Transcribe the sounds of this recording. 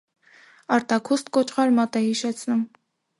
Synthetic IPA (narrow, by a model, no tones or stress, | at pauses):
ɑɾt̪ɑkʰust̪kɔt͡ʃʰχɑɾmɑt̪ɛhiʃɛt͡sʰnum